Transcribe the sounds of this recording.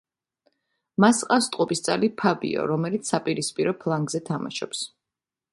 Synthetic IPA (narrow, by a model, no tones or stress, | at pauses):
masqʼafst̪ʼqʼɔpʼist̪sʼalipʰabḭɔ̰ɾɔmɛlit̪ssapʼiɾispʼiɾɔpʰlˠaŋɡzɛt̪ʰama̰ʃɔ̰ps